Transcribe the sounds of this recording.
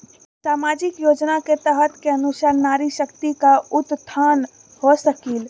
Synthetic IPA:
saːmaːd͡ʒɪkjoːd͡ʒnaket̪əɦət̪keɐnʊʃəɾnaːɾiʃəkt̪ikaʊt̪t̪ʰːaːn | hosəkiːl

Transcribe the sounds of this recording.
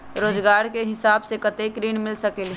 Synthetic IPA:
ɾoːd͡ʒɡaːɾkeɦɪsaːbsekət̪ekɾiːnmɪlsəkɪlɦ

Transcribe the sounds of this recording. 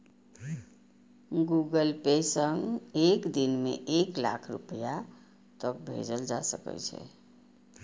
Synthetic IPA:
ɡuɡəlpesəŋɡekd̪inmḛʔekla̰kʰɾṵpja | t̪ək̚bʱḛd͡ʒəld͡ʒasəkɛ̰t͡ʃʰɛ̰

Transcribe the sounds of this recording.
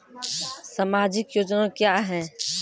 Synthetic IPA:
samaːd͡ʒɪkjoːd͡ʒnãkjaːɦɛ̃ː

